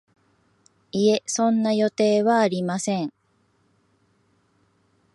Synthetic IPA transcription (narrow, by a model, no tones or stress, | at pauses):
ie̞sõ̞nːajo̞t̪e̞ːβaːɾʲimasẽ̞ŋ